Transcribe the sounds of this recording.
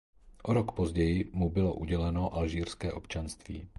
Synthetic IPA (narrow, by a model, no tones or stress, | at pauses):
ʔoɾɔkpozɟɛjɪmubɪlo̰ʔuɟɛlɛnoʔalʒiːɾskɛːʔopt͡ʃanst̪vḭː